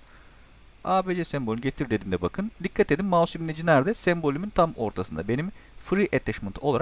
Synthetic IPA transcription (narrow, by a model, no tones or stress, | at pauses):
aːbeːd͡ʒɛsɛmbolʲɟet̪ʰiɾd̪e̞d̪imd̪ɛbakʰɯnd̪ikʰːat̪e̞d̪imːaːsuminɛd͡ʒinæɾd̪ɛsɛmbo̞lʲimynt̪ʰamo̞̰ɾt̪ʰasɯnd̪a̰be̞nimfɾiʔet̪ʰɛʃmɯnt̪ʰo̞lˠaɾa